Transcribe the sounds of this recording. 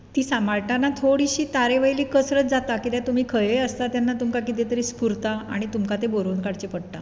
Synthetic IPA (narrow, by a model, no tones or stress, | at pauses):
t̪iːsamaɭʈanat̪ʰoɽiɕiːt̪aɾeʋəjliːkəsɾət͡sd͡zat̪akit̪jat̪um̤iːkʰəjejəst̪at̪janːat̪umkakit̪̬et̪əɾiːspuɾt̪aa̰ɽ̃it̪umkat̪eboɾonkaɽt͡ɕepəɽt̪a̰